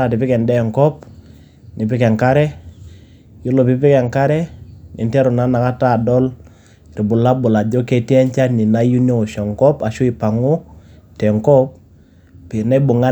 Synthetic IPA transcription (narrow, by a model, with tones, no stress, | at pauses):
a˨tɪ˨pɪ˦kɛ˨ndɛ˦˨ŋkɔ˦p̚ | nɪ˨p̬ɪ˦kɛ˨ŋka˦ɾɛ˦ | jo˦lɔ˨pɪ˨pɪ˦kɛ˨ŋka˦ɾɛ˦nɪ˨ntɛ˦ɾɔ˨na˦na˨ka˦ta˦˨dɔ˦l | ɾi˨bʊ˨la˦bʊ˨la˨d͡ʒɔ˦ke˦ti˦ɛ˦ɲt͡ʃa˦ni˨na˦ju˦nɔ˦ɔ˨ʃɔ˨ŋkɔ˦pa˨ʃu˦i˨pa˨ŋʊ˦tɛ˨ŋkɔ˦p̚ | pɪ˨na˦bʊ˨ŋa˦